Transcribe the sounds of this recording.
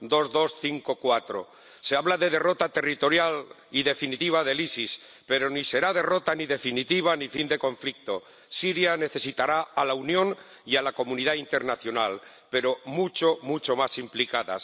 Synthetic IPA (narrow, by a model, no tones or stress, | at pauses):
d̪o̞zðo̞sθiŋko̞kwat̪ɾo̞̰ | seaβlaðe̞ð̞e̞ro̞t̪at̪e̞rit̪o̞ɾjal | iðe̞finit̪iβ̞aðe̞lisis | pe̞ɾo̞nise̞ɾað̞e̞ro̞t̪aniðe̞finit̪iβ̞anifind̪e̞kõ̞ɱflik̚t̪o̞ | siɾjane̞θe̞sit̪aɾaalaunjõ̞n | ialako̞mũniðaint̪e̞ɾnaθjo̞nal | pe̞ɾo̞mut͡ʃo̞mut͡ʃo̞masimplikaða̰s